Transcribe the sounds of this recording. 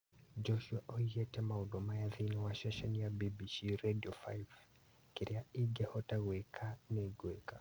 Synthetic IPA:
d͡ʒɔʃuaʔɔijɛtɛmaɔdɔmajaðinɔwaʃɛʃɛnijabibiʃiɾediɔfa̰jv | kiɾiaiɡɛhɔtaɣwɛkʰanɛɡwɛka

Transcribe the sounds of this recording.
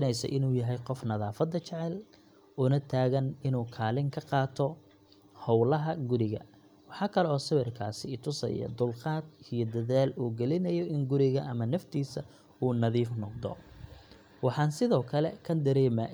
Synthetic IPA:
nɛjsɐ̰ʔɪnuːjɐɦɛjqɔfnɐðaːfɐd̪ːɐt͡ʃɛʕɛl | ʔʊnɐt̪ʰaːɣɐnɪnuːkʰaːlɪŋkʰɐqɑːt̪ʰɔ | hɔwlɐɦɐɡʊɾɪɣɐ̰ | wɑħɑːkʰɐlɛɔːsɐβɪrkʰaːsɪt̪ʰʊsɐ̰jɐ̰d̪ʊlqɑːd̪ijɔd̪ɐðaːluːɡɛlɪnɐjɔɪŋɡʊɾɪɣɐʔɐmɐnɐft̪ʰiːsɐ | uːnɐðiːfnɔqd̪ɔ̰ | wɑħɑːnsɪðɔːkʰɐlɛkʰɐd̪ɐɾɛːmɐ

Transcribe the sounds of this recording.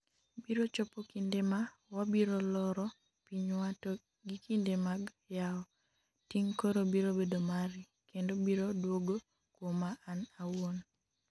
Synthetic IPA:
biɾot͡ʃɔpokindema | wabiɾolɔɾɔ | piɲwatɔ | ɡikindemaɡ | jaɔ | tiŋkoɾobiɾobedomaɾi | kendobiɾodwoɡo | kwomaːnawon

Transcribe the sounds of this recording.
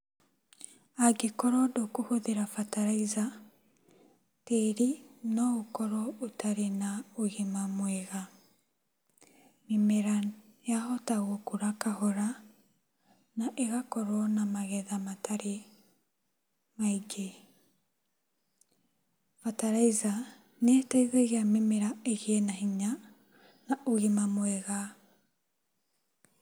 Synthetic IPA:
aɡekɔɾɔdokohoðeɾafataɾaiza | teɾinɔokɔɾɔotaɾenaoɣemamweɣa | mimeɾajahɔtaɣokoɾakahɔɾa | naʔeɣakɔɾɔnamaɣɛðamataɾe | maiɡe | fataɾaiza | netaiɣɛɣeamemeɾaeɣɛnaɦiɲa | naʔoɣemamwɛɣa

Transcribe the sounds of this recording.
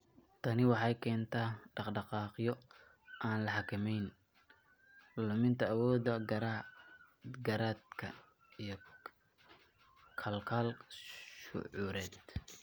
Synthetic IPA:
t̪ʰɐnɪwɑħɑjkʰɛːnt̪ʰaːɖɑqɖɑqɑːqjɔ | ʔaːnlɐħɑkʰɐmɛjn | lʊmɪnt̪ʰɐːwɔːd̪ɐɡɾ | ɡɐɾaːd̪kʰɐ̰ | ijɞ | kʰɐlkʰalʃʊ̰ʕuːɾɛːd̪

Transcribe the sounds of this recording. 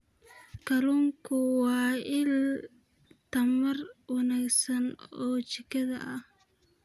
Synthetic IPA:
kʰɐluːŋkʰʊwɑːɪl | t̪ʰɐmɐrwɑnaːɡsɐnɔːt͡ʃɪkʰɐðɐ̰ʔɐh

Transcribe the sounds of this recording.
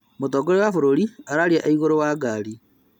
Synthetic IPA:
motɔɡɔɾewafoɾoɾiaɾaɾiaʔaiɣoɾowaːɡaɾi

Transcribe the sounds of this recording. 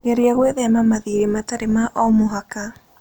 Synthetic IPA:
ɣeɾeaɣweðɛamamaðiɾemataɾemaʔɔmoɦaka

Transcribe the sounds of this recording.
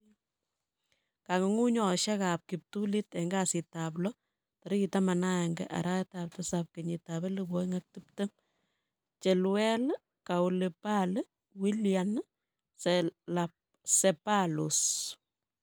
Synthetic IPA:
kaŋəŋuɲɔʃakap̚kip̚tulitɛŋɡasitablɔ | taɾikitamanaɛŋɡɛ̰ʔa̰ɾatap̚tɐsap̚keɲitaβelɨbɔŋak̚tip̚təm | t͡ʃelwɛl | kawulepal | wiljan | selap | sepalus

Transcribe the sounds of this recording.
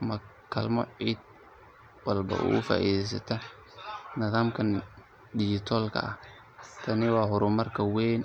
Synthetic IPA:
mɐ | kʰɐlmɔ̰ʕiːd̪̚ | wɐlbɐ̰ṵːʔʊfa̰ːʔḭːðɛjs̬ɐt̪ʰɔ | nɪðaːmkʰɐn | dɪʃɪt̪ʰɔːlkʰɐ̰ɐ̰h | t̪ʰɐnɪwɑːɦʊɾʊmɐrkʰɐwɛːn

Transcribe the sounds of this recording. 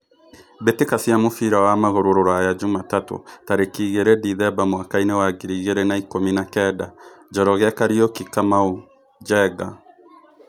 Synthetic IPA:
betekasiamofiɾawamaɣoɾoɾoɾajad͡ʒumatato̰taɾekiɣeɾediðɛbamwakainewaɡiɾiɣeɾenaikominakɛdad͡ʒɔɾɔɣakaɾiokikamau | d͡ʒɛɡa

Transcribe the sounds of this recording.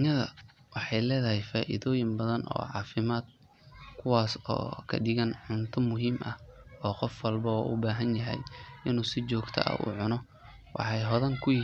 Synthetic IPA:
ɲɐðɐ̰ | wɑħɑjlɛːðɐɦɛjfaːʔɪ̰ðɔːjɪmbɐðɐnʔɔ̰ːʕɑːfɪmaːd̪̚ | kʰʊwaːsɔ̰ːkʰɐ̰ɖɪɣɐnʕʊnt̪ʰʊmʊɦiːmʔɐ̰hɔːqɔfwɐlbɐɔːʔʊbaːɦɐnjɐɦɛ̰jʔɪnuːsɪt͡ʃɔːɡt̪ʰɐ̰ʔɐ̰ʔṵːʕʊnɔ | wʔɑ̰ħɑjɦɔðɐŋkʰʊjɪ

